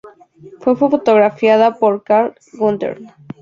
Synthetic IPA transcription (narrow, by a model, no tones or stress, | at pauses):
fwefofot̪oɣɾafjaðapoɾkaɾ | ɡunt̪ḛɾ